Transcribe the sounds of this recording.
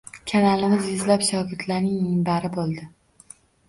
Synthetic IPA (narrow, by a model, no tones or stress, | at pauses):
kʲʰanalɪmɪzjʊzlapʃɒɡʲɪd̪laɾnɪŋɪmbaɾɪbolˠd̪ɪ